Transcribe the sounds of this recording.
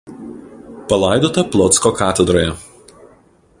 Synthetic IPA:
pɐlˠɑˑɪd̪oːt̪ɐplˠɔt̪skokɑːt̪ʲɛd̪ɾoːjɛ

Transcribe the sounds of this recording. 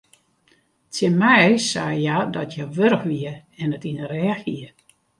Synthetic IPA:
tjɪmɛjsaːjadɔtʰjaʋøɾəxʋiəɛnətinərɛaxiə

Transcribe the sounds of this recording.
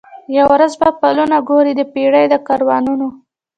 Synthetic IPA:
jawɾazbapalunaɡoɾid̪əpeɽəjd̪əkɑɾwɑnuno

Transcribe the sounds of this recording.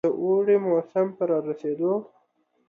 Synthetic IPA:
əʔoɽemosampəɾɑɾased̪o

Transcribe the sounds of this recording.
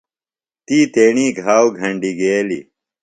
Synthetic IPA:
t̪iːt̪eːɳiːɡʱaːwɡʱɐɳɖiɡeːlḭ

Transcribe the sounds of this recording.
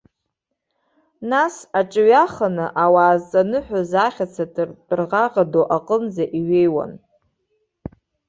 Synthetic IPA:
nasaʈ͡ʂʼɥaχanɨʔawaːzt͡sʼanɨħʷᶣazaχʲat͡sʰadʼrʼrʁaʁadoʔaqʼənzaʔiɥejwa̰n

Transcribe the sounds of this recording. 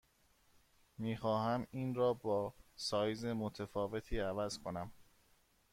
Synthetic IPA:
miːxɒːɦæmiːnɾɒːbɒːsɒːjze̞mot̪ʰefɒːve̞t̪ʰiːævæzkʰo̞næm

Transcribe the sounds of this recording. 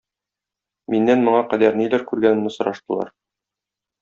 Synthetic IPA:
minːænmŏɴɑqæd̪æɾnilæɾkʉɾɡænɘ̆nɘsŏɾɑʃt̪ɤ̆lˠɑ̰ɾ

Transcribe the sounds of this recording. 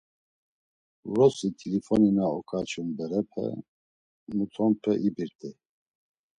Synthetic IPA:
rɔsit̪ʰilifɔninaɔkʰat͡ʃʰumbɛɾɛpʰɛ̰ | mut̪ʰɔmpʰɛʔibiɾt̪ʰʼɛ

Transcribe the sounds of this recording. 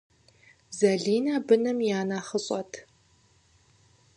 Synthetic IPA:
zɐɮiːnaːbɨnɐmjaːnaːχəɕʼɐtʰ

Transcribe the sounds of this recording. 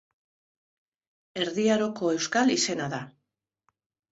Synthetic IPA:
e̞ɾðiaɾo̞ko̞e̞wskalise̞naða

